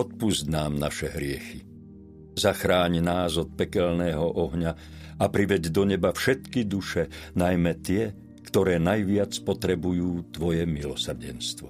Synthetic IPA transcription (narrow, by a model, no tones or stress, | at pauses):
ɔt̪̚puzɟnaːmnaʃɛɦɾɪɛxi | zaxɾaːɲnaːzɔt̪̚pɛkɛlnɛːɦɔʔɔɦɲa | apɾiʋɛɟd̪ɔɲɛbafʃɛt̪kid̪uʃɛnajmɛt̪ɪɛ | kt̪ɔɾɛːnajʋɪat͡spɔt̪ɾɛbujuːt̪ʋɔjɛmilɔsr̩ɟɛ̰nst̪ʋɔ